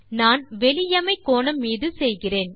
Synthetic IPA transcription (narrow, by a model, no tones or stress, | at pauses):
naːnʋɛlɪjɐmɐɪkːoːnɐmːiːðɯsɛjɣɪreːn